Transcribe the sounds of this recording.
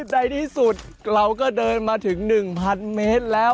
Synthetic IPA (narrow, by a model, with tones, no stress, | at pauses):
da˧jt̪ʰiː˥˩su˨˩t̪̚ | ɾa˧wkɔː˥˩dɤː˧nmaː˧t̪ʰɯ˩˦ŋnɯ˨˩ŋpʰa˧nmeː˦˥t̪̚lɛː˦˥˩w